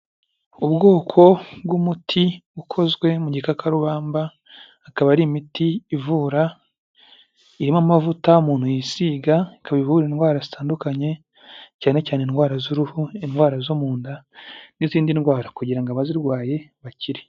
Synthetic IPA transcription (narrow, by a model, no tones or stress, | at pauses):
ubɡo̞ːkʰo̞bɡumutʰiukʰo̞zɡwe̞muɟikakaɾuβaːmbaː | kaβaɾimitiːvuːɾa | iɾimamavutaumuːn̥hujisiːɡaikaβaivuɾinɡwaːɾazitaːndukaɲe̞ | caːne̞caːnenɡwaːɾazuɾuhuinwaːɾazomuːndaniziːndinwaːɾakuɟiɾaŋɡaβaziɾɡwaːje̞βaciɾi